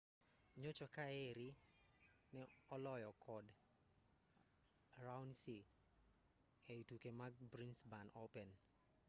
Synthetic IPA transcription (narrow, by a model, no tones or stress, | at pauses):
ɲot͡ʃɔkaeɾi | nɛ | ɔlɔjɔkʰɔd | rawnsi | eitukemaɡ̚bɾinsbanɔpɛn